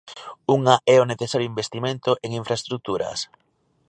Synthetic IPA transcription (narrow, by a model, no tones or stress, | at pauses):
uŋaʔɛoneθesaɾjoimbest̪imẽnt̪ʊʔeŋiɱfɾaest̪ɾuk̚t̪uɾɐ̰s